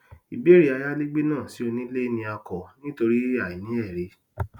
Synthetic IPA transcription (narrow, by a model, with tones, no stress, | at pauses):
i˨be˨˦ɾi˦a˧ja˦li˦ɡ͡be˦nãː˦˨si˨˦o˧nĩ˦le˦nĩ˧a˧kɔ˨nĩ˦to˧ɾi˦a˦˨i˨nĩ˨˦ɛ˦˨ɾe˨˧˦